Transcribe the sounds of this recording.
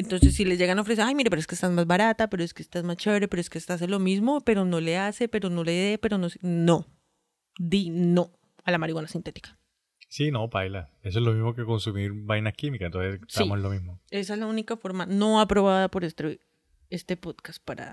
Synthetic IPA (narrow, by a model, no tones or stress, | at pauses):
ent̪o̞nsesːile̞zʝe̞ɣanaofɾeseajmiɾepeoeskest̪azmazβaɾat̪ape̞ɾoe̞skest̪azmast͡ʃeβɾepeɾoe̞skest̪aas̬e̞lo̞mizmo̞pe̞ɾo̞no̞le̞ase̞pe̞ɾono̞leðe̞pe̞ɾo̞nosino̞ | d̪ino̞ | alamaɾiɣwanasint̪e̞t̪i̥kḁ | sino̞bajlaes̬oezlo̞mizmokeko̞nsumiɾbajnakimikaent̪onsesest̪aimoslomizmoe̞s̬aezlaunikafo̞ɾmano̞apɾo̞βaðapo̞ɾest̪e | est̪e̞po̞ðkas̚paɾa̰